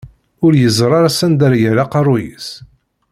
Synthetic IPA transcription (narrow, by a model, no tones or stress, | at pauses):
ʊɾjəzˤɾˤɑɾasænd̪æɾjəɾaqɑrˤʊjḭs